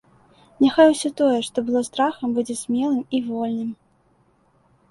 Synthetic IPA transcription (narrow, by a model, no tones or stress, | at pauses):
nʲaxajwsʲɔt̪ɔjɛʂt̪ɔbɨlˠɔst̪ɾaxɐmbud͡zʲɛsʲmʲɛlˠɨmivɔlʲnɨm